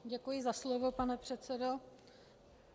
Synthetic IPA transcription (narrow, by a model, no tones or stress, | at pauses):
ɟɛkujɪzaslovo̞panɛpr̝̥ɛt̪t͡sɛdo